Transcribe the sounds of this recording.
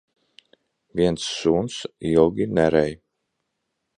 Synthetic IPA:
viɛnsːuːnsjɔɡʲinæɾɛj

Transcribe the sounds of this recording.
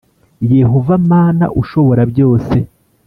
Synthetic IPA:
je̞ɦo̞vamaːna̰ʔuʃo̞βo̞ɾabjo̞ːse̞

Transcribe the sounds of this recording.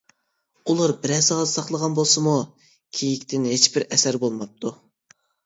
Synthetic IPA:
ulˠɑɾbɪɾɛsɑʁɑd̪sɑχlˠəʁɑnbolˠsɨmu | kʲʰejikʲt̪ʰɪnet͡ʃbɪɾɛsæɾbolˠmɑp̚t̪ʰu

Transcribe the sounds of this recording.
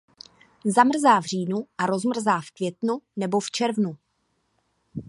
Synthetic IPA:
zamr̩zaːvr̝iːnuʔaɾo̞zmr̩zaːfkvjɛt̪nunɛbo̞ft͡ʃɛɾvnu

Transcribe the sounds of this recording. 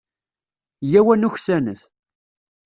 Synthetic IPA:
jæwænuçsænəθ

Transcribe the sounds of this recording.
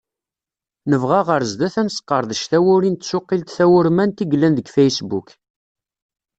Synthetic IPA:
nəvʁaʁəɾzd̪æθænsqːəɾˤðəʃθæwʊɾint̪sʊqːilt̪θæwʊɾmænt̪iɡlːænðəɡfejsbuk

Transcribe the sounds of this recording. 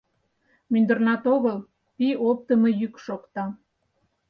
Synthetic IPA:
mynd̪ərnɑt̪oɣəl | piop̚t̪əməjykʃokt̪ɑ

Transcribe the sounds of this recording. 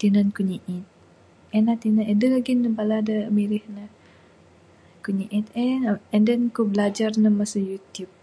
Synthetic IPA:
t̪inankuɲiʔit̪̚ | ɛnat̪inanɛdəɣaɡinːəbaladəmiɾɪhnə | kuɲiʔit̪ɛɛndɛnkubəlad͡ʒarnəmasujut̪jup̚

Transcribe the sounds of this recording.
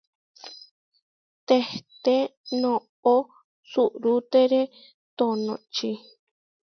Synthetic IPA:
t̪et̪enõ | o | suʔɾut̪eɾe | t̪onõt͡ʃi

